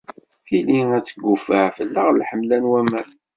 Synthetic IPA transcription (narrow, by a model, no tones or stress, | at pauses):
θiliæt͡sːəɡːufəʕfəlːəʁlħəmlænwæmæn